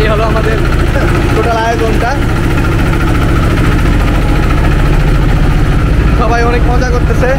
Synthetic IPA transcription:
eɦoloamad̪eɾ | ʈoʈalajozɔnʈa | ʃɔbʱajɔnek̚pɔ̃zakoɾt̪esʰe

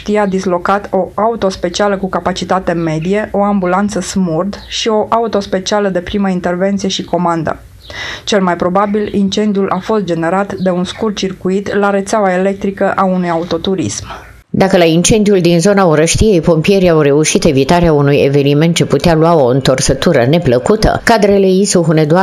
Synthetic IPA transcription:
t̪iead̪izlo̞kat̪ʰo̞aut̪o̞spe̞t͡ʃialəkukapat͡ʃit̪at̪e̞me̞d̪ije̞ʔo̞ambulant̪səsmurd̪ʃio̞ʔaut̪o̞spe̞t͡ʃialəd̪e̞pɾiməint̪e̞rve̞nt̪sije̞ʃiko̞mand̪ə̰ | t͡ʃe̞lmajpɾo̞babilint͡ʃe̞nd̪iulʔafo̞st̪̚d͡ʒe̞ne̞ɾat̪d̪e̞unskur̚t͡ʃirkuit̪laɾe̞t̪seawaele̞k̚t̪ɾikəʔaunujaut̪o̞t̪uɾḭsm | d̪akəlaint͡ʃe̞nd̪ijuld̪inzo̞naoɾəʃt̪ije̞jpo̞mpije̞ɾiawre̞uʃit̪e̞vit̪aɾeaunujḛve̞niment̪̚t͡ʃeput̪ealuao̞ɨnt̪o̞rsət̪uɾəne̞pləkut̪ə̰kad̪ɾelejisuɦuned̪ua

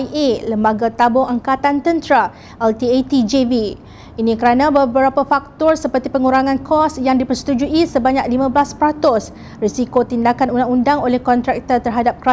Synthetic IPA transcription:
ʔeləmbaɡat̪abɔŋaŋkat̪ant̪ənt̪ɾa | ɛlt̪iet̪id͡ʒevi | inĩkəɾanãbəbəɾapafak̚t̪ɔrsəpərt̪ipəŋuɾaŋãnkʰɔsjaŋdipərsə̥t̪ud͡ʒuisəbaɲak̚limãblaspɾat̪ʊs | risikot̪indakanundaŋundaŋolɛhkɔnt̪ɾak̚t̪ərt̪ərɦadap̚kɾa

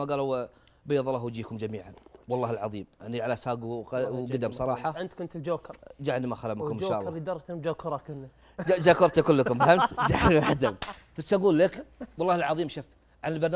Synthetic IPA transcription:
maɡaːlw | bajːðˤɑlˤːɑːhwd͡ʒiːkʊmd͡ʒamiːʕanwɑlˤːɑːhɪlʕɑðˤiːmjaʕniʕalasaːɡwad̪amsˤɑɾˤɑːħɑʕɪnd̪kʊnt̪ɪld͡ʒoːkɑɾˤd͡ʒaːʕnimaxalamkʊmʃːaːʔlɾˤid̪ɑɾˤɑt̪d͡ʒoːkɑɾˤɑkɪnːi | d͡ʒd͡ʒaːkʊɾˤt̪ikʊlːəkʊmfahamt̪d͡ʒaʕnmaħad̪ʊmfasːaɡuːlːɪkwɑlˤːɑːɪlʕɑðˤiːmʃʊf | ʕanɪlbɑɾˤnaː

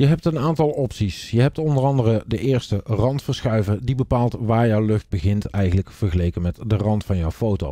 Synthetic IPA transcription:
jəɦɛp̚tənaːntɑlˠɔpsisjəɦɛp̚tɔndərɑndərədəʔɪːɹstərɑntfəɹsχœɥvəɹdibəpaːlˠtʋaːɹjɔwlɵχd̚bəɣɪntɛjχənləkfəɹχəlejkənmɛtdərɑntfɑnjɔwfowto̰w

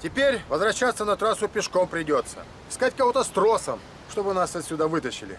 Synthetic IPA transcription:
tʲɪpʲeɾʲvəzvɾɐɕːat̪sːənɐt̪ɾasʊpʲɪʂko̞mpɾʲɪdʲo̞t̪sə̰̥ | skat̚ʲkɐvo̞t̪əst̪ɾo̞səm | ʂt̪o̞bɨnasɐt̪sʲʊd̪avɨt̪əɕɪlʲɪ̰

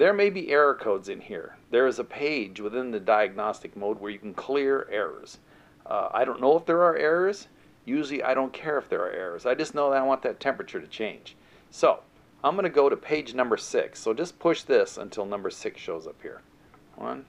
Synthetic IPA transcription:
ðə˞meɪbiʔɛɹə˞kʰoʊdzɨ̃nhḭɹðə˞ɨzəpʰeɪd͡ʒwəθɪ̃nðɨdaɪɨɡ̚nɑstɨk̚moʊd̚wə˞jɨkn̩kʰl̥ɪɹɛɹə̰˞z̥ | a̰ɪɾõʊ̃nːoʊəfðə˞ə˞ʔɛɹə˞z̥ | jʉʒl̩ˠiʔa̰ɪɾõʊ̃nkʰɛɹɨfðə̰˞ə̰˞ʔɛ̰ɹə˞zaɪd͡ʒʌstⁿnoʊðəɾaɪwɑ̃nðɨtʰɛ̃mpɹɨt͡ʃə˞ɾɨt͡ʃʰẽɪ̃n̥ʒ̥ | soʊ | ãɪ̃mɡʌñɨɡoʊɾɨpʰeɪd͡ʒnʌ̃mbə˞sɪ̰ksːoʊd͡ʒʌspʰʊʃðɪsə̰̃ntʰɪlˠnʌ̃mbə˞sɪksʃoʊzʌphḭɹ | wʌ̰̃n

